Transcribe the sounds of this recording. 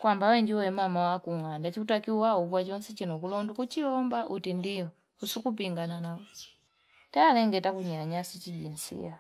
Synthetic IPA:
kwambawɛɲd͡ʒiwɛmamawakuŋandat͡ʃiutakiuwauvwat͡ʃɔnsɛt͡ʃinɔkulɔndukut͡ʃiɔmbaʔutindijɔ | usukup̬iŋɡananaɔ | taːlɛŋɡɛtakuɲaɲasit͡ʃiɟinsḭa

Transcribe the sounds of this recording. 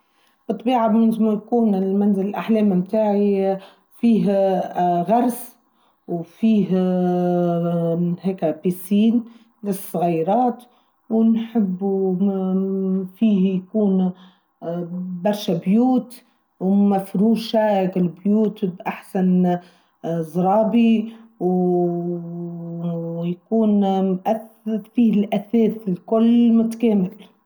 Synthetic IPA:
b̥ɨt̪ˤːbiːʕamɪnmjkuːnɪlmænzɪlɪlʔaħlɛːmmt̪aːʕi | fiːɦ | ɣɑɾˤs | wfiːɦ | ɦɛːkæpiːsiːn | lɪsˤːɣɑjɾˤɑːt̪ | wnħɪbːu | fiːhjkuːn | bɑɾˤʃabjuːt̪ | wmafɾuːʃakɪlbjuːt̪bʔaħsan | zˤɾˤɑːbiw | jkuːnʔaθ | fiːhlʔæθɛːθɪlkʊlːmʊt̪kɛːmɪl

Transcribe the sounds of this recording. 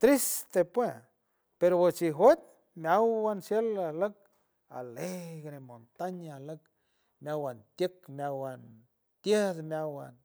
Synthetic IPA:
t̪ɾist̪epwe | peɾowet͡ʃiɦwet̪̚ | mjawwansjelalək̚ | a̰leɡɾemont̪aɲalək | mjawant̪jekmjawan | t̪jed̪mjawan

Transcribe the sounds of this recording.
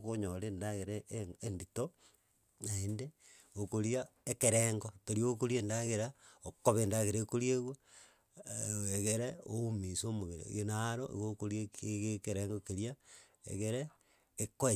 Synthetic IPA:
koɲolendaɣeɾeendito | naende | okoɾjaekeɾeŋɡotoɾiokoɾiendaɣeɾaokoβendaɣeɾekoɾjeɣwa | eɣeɾeoumisomoβeɾḛɣenaɾoʔḛɣokoɾjeɣekeɾeŋɡokeɾjaḛɣeɾeː | koe

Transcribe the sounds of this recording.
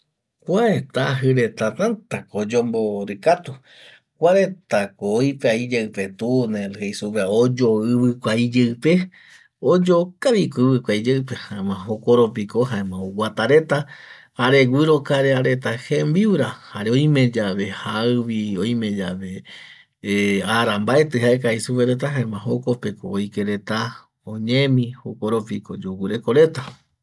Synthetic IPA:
kʷaet̪aɦɨɾet̪at̪ant̪akoːd͡ʒomboɾɨkat̪u | kʷaɾe̞t̪akoːjpeaid͡ʒeɨpe̞t̪unẽɾɨhejsuβeaod͡ʒoɨβɨkʷaid͡ʒeɨpe | od͡ʒokaβikɨβɨkʷaid͡ʒeɨp̬ehaemãɦokoɾop̬ikohaemãowat̪aɾet̪ahaɾe̞ɡʷwiɾo̞kaɾeaɾe̞t̪ahembiwɾahaɾeõj̃mẽ̞d͡ʒaβe̞haɨβioj̃mẽ̞d͡ʒaβe | aɾambae̞t̪ɨhaek̬aisupeɾet̪̬aɦaẽmãɦoko̞pe̞ko̰ːjkeɾe̞t̪a | õɲẽmĩhokoɾopiko̰d͡ʒoɡiɾe̞ko̞ɾe̞t̪a

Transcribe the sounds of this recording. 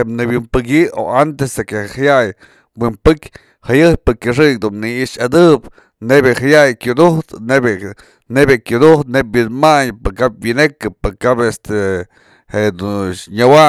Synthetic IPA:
enɨbjimpɨk̬ʲio̰ant̪esekehhajaj | wimpɨkʲ | hajɨjpɨkʲɨʂ̬ɨkd̪unniiʂad̪ɨp | nebehajajkʲud̪uht̪nebe | nebekʲud̪uht̪nep̚binmaɲpɨkap̚winekɨpɨkabest̪e | hed̪uɲawa

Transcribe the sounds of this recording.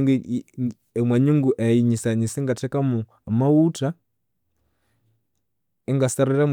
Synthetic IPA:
ŋɡ | emwaɲuŋɡuʔaiɲisaɲiseŋɡatɛkamu | amawuta | eŋɡasaɾiɾam

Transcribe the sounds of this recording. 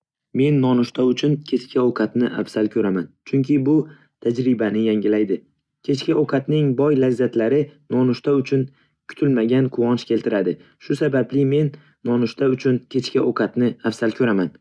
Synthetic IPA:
me̞nːɒnʊʃt̪aʊt͡ʃʰʊnkʲʰe̞t͡ʃkʲʰaoqʰɑt̪nɪʔafsalkʲʰɵɾamant͡ʃʰʊŋkʲɪbʊ | t̪ʰad͡ʒɾɪbanɪjaŋʲɪlajd̪ɪ | kʲʰe̞t͡ʃkʲaoqʰɑt̪nɪŋbɒjlazzat̪laɾɪnɒnʊʃt̪aʊt͡ʃʰʊn | kʲʰʊ̥t̪ʰɪlmaɡʲanqʰʊwɒnʃkʲe̞lt̪ʰɪɾad̪ɪ | ʃʊsabablɪme̞nː | ɒnʊʃt̪ʰaʊt͡ʃʰʊnkʲʰe̞t͡ʃkʲaʔoqʰɑt̪nɪafsalkʰʲɵɾaman

